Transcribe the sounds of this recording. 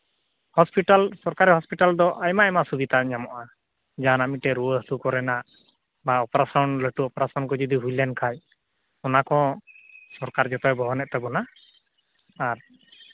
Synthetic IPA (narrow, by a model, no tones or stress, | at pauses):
hɔspiʈalsɔɾkaɾiɦɔspiʈald̪ɔʔajmaɛmasubit̪aɲamɔʔa | d͡ʒanamiʈɛɾuəɦlukɔɾɛnaʔ | baɔpɔɾasɔnləʈuɔpɾasɔnkɔd͡ʒɔd̪iɦujlɛnkʰaj | ɔnakɔ̃ | sɔɾkaɾd͡ʒɔt̪ɔjbɔɦɔnɛt̪̚t̪ɛbɔna | ɾ